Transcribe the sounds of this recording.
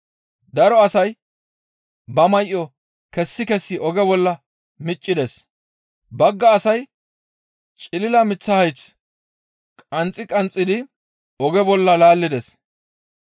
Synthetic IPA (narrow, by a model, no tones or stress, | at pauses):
d̪ɐɾɔɐsɐj | bɐmɐjʔːɔ | kɛsːɪkɛsːɪʔɔɡɛbɔlːɐ | mɪt͡ʃʼːɪd̪ɛs | bɐɡːɐːsɐj | t͡ʃʼɪlɪlɐmɪt͡sːɐhɐjt͡s | kʼɐnt͡sʼːɪkʼɐnt͡sʼːɪd̪ɪ | ɔɡɛbɔlːɐlaːlːɪd̪ɛs